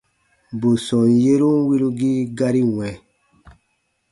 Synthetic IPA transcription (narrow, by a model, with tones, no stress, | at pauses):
bo˨sɔ̃˨je˦ɾu˦wi˦lu˦ɡi˦ɡa˦ɾi˦wɛ̃˨